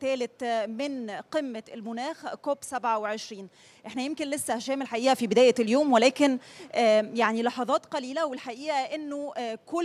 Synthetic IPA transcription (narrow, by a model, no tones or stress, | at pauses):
t̪æːlɪt̪mɪnqemːælmʊnæːxkoːbsæbʕaweʕeʃɾiːn | ʔeħnæjemkenlesːæhæʃæːmelħaʔiːʔæfibɪd̪æːjæljoːmwelæːkɪnʔæjaʕnilɑħɑðˤɑːt̪qɑliːlæwelħaʔiːʔæʔenːoko